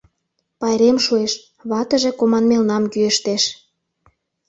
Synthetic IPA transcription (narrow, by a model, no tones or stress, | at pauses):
pɑjɾemʃueʃ | βɑt̪ə̆ʒe̽komɑnmelnɑmkyeʃt̪eʃ